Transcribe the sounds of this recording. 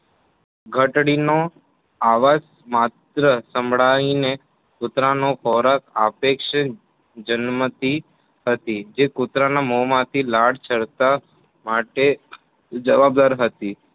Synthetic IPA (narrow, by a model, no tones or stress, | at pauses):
ɡʱəʈɽino | aʋas | mat̪ɾəsəmbʱɭaine | kʊt̪ɾanofʰɔɾakapekʃə | d͡ʒənmət̪i | ɦət̪id͡ʒekut̪ɾanamomãt̪ʰilaɽt͡ʃʰəɭt̪a | maʈe | d͡ʒəʋab̚d̪aɾɦət̪i